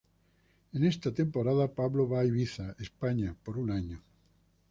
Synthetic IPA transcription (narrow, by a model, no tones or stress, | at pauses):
enest̪at̪empoɾaðapaβloβajβiθaespaɲapoɾunaɲo